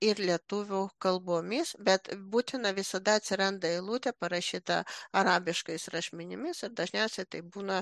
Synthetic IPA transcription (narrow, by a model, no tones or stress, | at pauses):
ɪɾlʲiɛt̪ʊʋʲuːkɐlˠboːmʲɪsbʲɛt̪buːt̪ʲɪnɐʋʲɪsɐd̪ɐɐt̪ʲsʲɪɾɐnd̪ɐɪlˠuːt̪ʲɛpɐɾɐʃʲiːt̪ɐ̰ɐɾɑːbʲɪʃkɐɪsɾɐʃʲmʲɪnʲɪmʲɪsɪɾd̪ɐʒʲnʲɛʊsʲɛɪt̪ɐɪbuːnɐ